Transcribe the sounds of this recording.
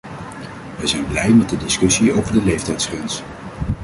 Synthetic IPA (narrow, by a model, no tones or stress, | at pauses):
ʋɛjzɛjnblɛjmɛt̚dədɪskɵsiowvəɹdəlejftɛjtsχrɛns